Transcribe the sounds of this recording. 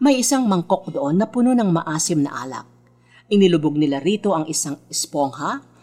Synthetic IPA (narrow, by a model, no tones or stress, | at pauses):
mɐjʔɪsaŋmɐŋko̞k̚d̪oʔo̞nːɐpʊnonɐŋmɐʔaːsɪmnɐ̰ʔa̰ːlɐ̰k̚ | ʔɪnɪlʊboɡ̚nɪlaɾiːt̪o̞ʔɐŋʔɪsaŋɛspoŋhɐ